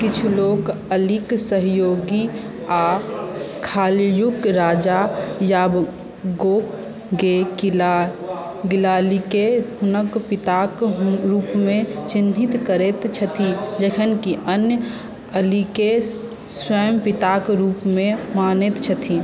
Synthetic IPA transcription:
kɪt͡ʃʰuloːɡəliksəɦjoːɡi | a | kʰaːljʊkɾaːd͡ʒajaːb | ɡoːk | ɡe | ɡɪlaːlikeɦʊnəkpɪt̪aːkɾuːpmẽt͡ʃɪnd̪ʱɪt̪kəɾet̪t͡ʃʰət̪ʰid͡ʒəkʰənkiʔənjə | əlike | swəjəmpɪt̪aːkɾuːpmẽmaːnet̪t͡ʃʰət̪ʰi

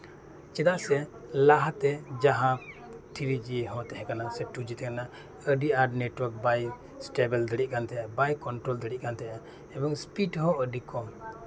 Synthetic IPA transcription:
t͡ʃɛd̪aʔsɛ | laɦat̪ɛd͡ʒaɦãt̪ʰiɾid͡ʒiɦɔ̃t̪ɛɦɛ̃kanasɛʈud͡ʒit̪ɛkana | əɖiaɾɖneʈwəɾk̚baj | sʈebɛld̪əɽiʔ̚kant̪ɛʔɛbajkɔnʈɾɔld̪əɽiʔ̚kant̪ɛʔa | ɛbɔŋspiʈɦɔ̃əɖikɔm

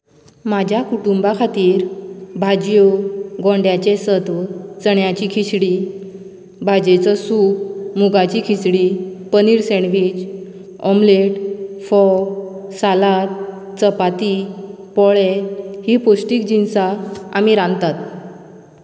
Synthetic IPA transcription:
mad͡ʑʱjakuʈumbakʰat̪iːɾbʱad͡ʑjoɡɔ̃ɳɖjat͡ɕesəd̪ʋət͡səɳjat͡ɕikʰisɽi | bʱad͡ʑet͡səsumuɡat͡ɕiːkʰisɽiːpəniːɾsɛɳʋid͡ʑ | ɔmleʈfɔsalat̪ | t͡səpat̪i | pɔɭehiːposʈiːkd͡ʑinsaamiɾãnt̪at̪

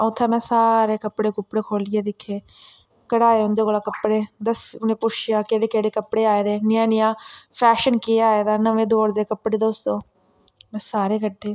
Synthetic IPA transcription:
əʊt̪ʰːaːmɛ̃ːsaːɾeːkəpːɽeːkʊpːɽeːkʰoːlɪjeːd̪ɪkʰːeː | kəɽaːeːʊnd̪eːɡəlaːkəpːɽeːd̪əsʊnẽːpʊt͡ʃʰɪjaːkeːɽeːkeːɽeːkəpːɽeːaːeːd̪eːnɪjãːnɪjãːpʰɛːʃənkeːaːeːd̪aːnəʋẽːd̪oːɽd̪eːkəpɽeːd̪oːst̪õː | mɛ̃ːsaːɾeːkəɖʱːeː

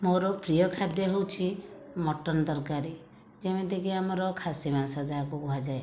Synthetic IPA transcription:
moɾɔpɾijɔkʰad̪jɔɦewt͡ʃʰimɔʈɔnɔd̪ɔɾkaɾi | d͡ʒemed̪ekiamɔɾɔkʰasimasɔd͡ʒakubuɦad͡ʒae

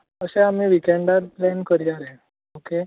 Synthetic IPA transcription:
əɕẽam̤iːʋikeɳɖat̪̚plɛnkəɾjaɾe | oke

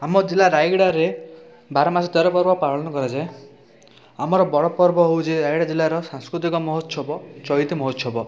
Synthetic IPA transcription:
amɔd͡ʒilːaɾajɡɽaɾe | baɾɔmasɔt̪eɾɔpɔɾbɔpaɾɔnɔkɔɾad͡ʒae | amɔɾɔbɔɽɔpɔɾbɔɦowd͡ʒiɾajɽad͡ʒilːaɾɔsãŋskɾut̪ikɔmɔɦɔt̪sɔbɔt͡ʃɔit̪imɔɦɔt̪sɔbɔ

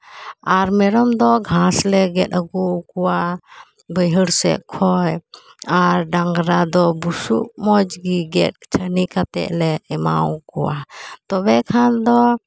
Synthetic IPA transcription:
aɾmɛɾɔmd̪ɔɡʱãslɛɡɛt̚əɡukuwa | bəjɦəɽsɛ̰ʔkʰɔj | aɾɖaŋɡɾad̪ɔbusṵʔmɔd͡ʒɡiɡɛt̚t͡ʃʰənikat̪ɛ̰ʔlɛɛma̰wkuwa̰t̪ɔbɛkʰand̪ɔ

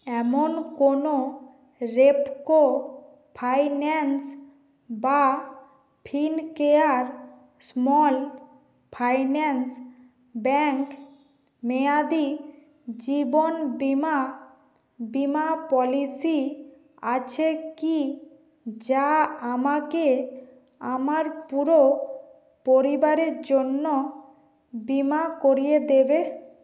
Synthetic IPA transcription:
ɛmonkono | ɾepko | pʰajnɛns | ba | pʰinkeaɾ | smɔl | pʰajnɛns | bɛŋk | mead̪i | d͡ʑibonbima | bimapɔlisi | at͡ɕʰeki | d͡ʑaamake | amaɾpuɾo | poɾibaɾeɾd͡ʑonːo | bimakoɾied̪ebe

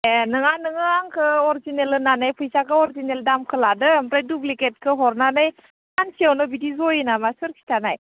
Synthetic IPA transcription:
enɯŋanɯŋɯaŋkʰɯɔɾzinelɯnanajpʰɯjsakʰɯɔɾzineldamkʰɯladɯmpɾajdubliket̚kʰɯɦɔɾnanɯj | ansiawnɯbidizɔjɯnamasɯɾkʰi̥tʰanaj

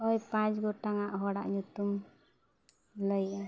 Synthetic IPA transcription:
ɔjpãt͡ʃɡoʈaŋaʔɦɔɽa̰ʔɲut̪um | ləjʔa

